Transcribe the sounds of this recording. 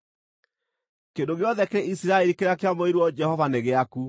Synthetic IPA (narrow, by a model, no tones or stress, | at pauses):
kendoɣeɔðɛkeɾɛisiɾaɛɾikeɾakeamoeɾwɔd͡ʒɛhɔvaneɣeaku